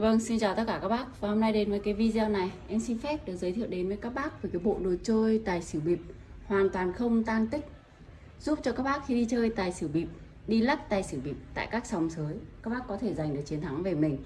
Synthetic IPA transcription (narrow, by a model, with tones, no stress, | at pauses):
və˧ŋsi˧nt͡ɕaː˨˩wt̪ə˦˥t̚kaː˧˩aː˦˥k̚ɓaː˦˥k̚vaː˨˩ho˧mna˧jɗe˨˦nvəː˨˦jkaː˨˦jvi˧zwna˨˩jʔɛ˧msi˧nfɛ˦˥p̚ɗɨ˨˩ək̚zəː˨˦jt̪ʰḭ˧˨əwɗe˨˦nvəː˨˦jkaː˦˥k̚ɓaː˦˥k̚vəː˨˩jkaː˨˦jɓo̰˧˨ɗo˨˩t͡ɕəː˧jt̪aː˨˩jsɨ˧˩ɓi˨˩əp̚hwaː˨˩nt̪waː˨˩nxə˧wŋ͡mt̪aː˧nt̪ï˦˥k̟̚ | zu˦˥p̚t͡ɕɔ˧kaː˦˥k̚ɓaː˦˥k̚xi˧ɗi˧t͡ɕəː˧jt̪aː˨˩jsɨ˧˩ɓi˨˩p̚ | ɗi˧lə˦˥p̚t̪aː˨˩jsɨ˧˩ɓḭ˨˩p̚t̪a̰ː˧˨jkaː˦˥k̚sa˨˩wŋ͡msəː˨˦jkaː˦˥k̚ɓaː˦˥k̚ːɔ˨˦t̪ʰe˧˩za˨˩jŋ̟ɗɨ˨˩ək̚t͡ɕi˨˦ənt̪ʰa˨˦ŋve˨˩mï˨˩ŋ̟